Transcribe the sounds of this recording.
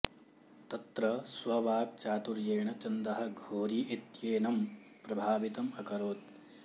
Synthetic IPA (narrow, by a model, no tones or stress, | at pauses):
t̪ɐt̪ɾɐsʋɐʋaːk̚t͡ʃaːt̪uɾjeːɳɐt͡ʃɐnd̪ɐɦɐ̆ɡʱoːɾiit̪jeːnɐm | pɾɐbʱaːʋit̪ɐmɐkɐɾoːt̪̚